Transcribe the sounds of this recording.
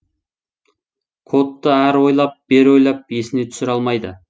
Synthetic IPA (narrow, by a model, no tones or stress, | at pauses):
kʰo̞t̪ːəæɾwo̞jlˠɑp̚b̥eɾwo̞jlˠɑp̚je̞sɪne̞t̪ʰʏ̥sɪɾɑlˠmɑjd̪ə̰